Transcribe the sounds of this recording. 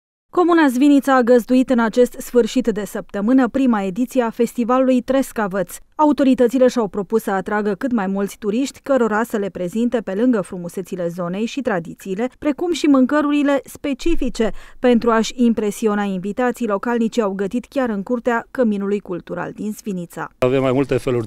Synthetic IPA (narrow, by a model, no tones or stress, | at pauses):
ko̞munazvinit̪səaɡəzd̪uit̪ɨnat͡ʃe̞st̪sfɨrʃit̪d̪e̞səp̚t̪əmɨnəpɾimae̞d̪it̪sijeafe̞st̪ivalulujt̪ɾe̞skavət̪saut̪o̞ɾit̪ət̪sile̞ʃawpɾo̞pussəat̪ɾaɡəkɨt̪majmult̪sʲt̪uɾiʃt̪ʲkəɾo̞ɾasəle̞pɾe̞zint̪e̞pe̞lɨŋɡəfɾumuse̞t̪sile̞zo̞ne̞jʃit̪ɾad̪it̪siːle̞pɾe̞kumʃimɨŋkəɾuɾile̞spe̞t͡ʃifit͡ʃe̞pe̞nt̪ɾuaʃʲimpɾe̞sio̞nainvit̪at̪sijlo̞kalnit͡ʃiawɡət̪it̪kʲaɾɨŋkuɾt̪eakəminulujkult̪uɾa̰ld̪inzvinit̪sa̰avemːajmult̪e̞feluɾʲ